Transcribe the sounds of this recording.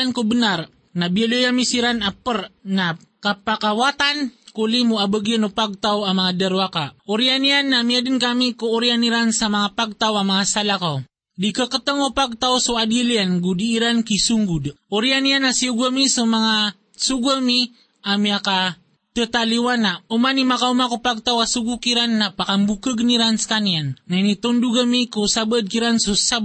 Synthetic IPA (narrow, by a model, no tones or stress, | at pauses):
ankobənar | nabialəjamisiɾanapərna | kapakawat̪ankolimuabəɡiənopaɡ̚t̪awamaŋadəɾwakaoɾianianːamiadənkamikoːɾianiɾansamaŋapaɡ̚t̪awamaŋasalaka | dikəkət̪əŋopaɡ̚t̪awsoadilianɡudiːɾankisuŋɡudoɾianianasiuɡamisomaŋa | suɡami | amiaka | t̪ət̪aliwanaumanimakaumakupaɡ̚t̪awasuɡukiɾanːapakambukəɡniɾansə̥kaniannanit̪onduɡamikusabəd̚kiɾansosa